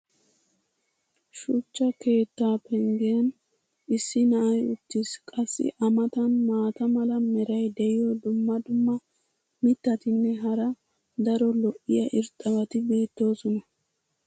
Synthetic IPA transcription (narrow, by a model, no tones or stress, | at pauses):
ʃʊt͡ʃːɐke̞ːt̪ːaːpɛŋɡeɐn | ɪsːɪnɐʔɐjʊt̪ːɪskʼɐsːɪ̰ʔɐmɐt̪ɐnmaːt̪ɐmɐlɐmɛɾɐjd̪ɛʔɪjɔd̪ʊmːɐd̪ʊmːɐ | mɪt̪ːɐt̪ɪnːɛɦɐɾɐ | d̪ɐɾɔlɔʔɪjɐʔɪɾt̪ʼɐbɐt̪ɪbe̞ːt̪ːo̞ːsɔnɐ